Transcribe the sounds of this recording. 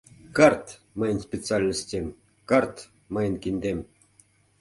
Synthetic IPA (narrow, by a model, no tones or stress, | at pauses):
kart̪ | mɤjənsʲpʲɪt̪t͡sɨalʲnəsʲt̪ʲemʲ | kart̪ | mɤjənkʲinʲd̪ʲemʲ